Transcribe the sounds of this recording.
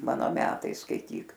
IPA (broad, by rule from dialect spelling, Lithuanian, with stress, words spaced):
ˈmɑːnoː ˈmʲæːtɐɪ skɐɪˈtʲiːk